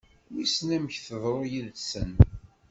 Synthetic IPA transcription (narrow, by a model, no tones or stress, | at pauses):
wisnæməçθəðˤɾˤojilsən